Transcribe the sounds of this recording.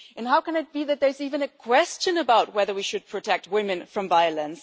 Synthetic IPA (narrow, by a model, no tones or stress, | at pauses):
ʔɨ̃nɦaʊkə̃nɨt̚b̥iðɨt̪̚ðə˞zivɨ̃nɨkʰw̥ɛst͡ʃɨ̃nəbaʊt̚wɛðə˞wiʃɨd̚pʰɹ̥ɨtʰɛk̚t̚wɪ̃mɨ̃nfɹʌ̃ɱvaɪələ̃ns